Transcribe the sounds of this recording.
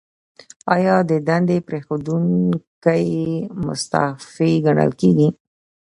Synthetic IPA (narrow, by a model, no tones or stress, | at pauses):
ɑjɑd̪əd̪and̪epɾexod̪uŋkajmʊ̰st̪a̰fiɡaɳə̰lkeɡi